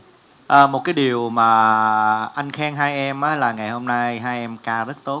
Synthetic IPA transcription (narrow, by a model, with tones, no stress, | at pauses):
ʔəː˨˩mo˨˩t̚kaː˨˦jɗi˨˩əwmaː˨˩ | ʔa˧jŋ̟xɛː˧˦ŋɦaː˧jʔɛ˧mʔaː˨˦laː˨˩ŋa˨˩jho˧mna˧jɦaː˧jʔɛ˧mkaː˧zə˦˥t̚t̪o˦˥t̚